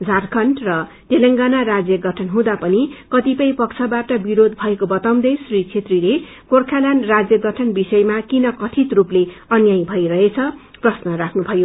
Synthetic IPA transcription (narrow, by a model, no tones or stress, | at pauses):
d͡zʱarkʰʌnʈrʌ | t̪elʌŋɡanaɾad͡zjʌɡʱʌʈʰʌnɦũd̪apʌnikʌt̪ipʌjpʌkt͡sʰʌbaʈʌbiɾod̪ʱbʱʌekobʌt̪aw̃d̪ʌjsrit͡sʰet̪rile | korkʰalanrad͡zjʌɡʱʌʈʰʌnbisʌjemakinʌkʌʈʰit̪rupleʌnjaj̃bʱʌjɾʌɦet͡sʰʌ | prʌsnʌrakʰnubʱʌjo